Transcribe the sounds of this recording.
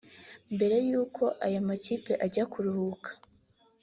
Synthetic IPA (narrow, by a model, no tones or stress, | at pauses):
mbe̞ɾe̞juːkʰo̞ʔajamaciːpe̞ʔaɟakuɾuhukʰḁ